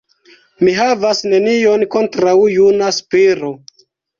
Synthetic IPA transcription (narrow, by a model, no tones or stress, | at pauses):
miɦavasne̞nio̞nko̞ntɾawjunaspiɾo̞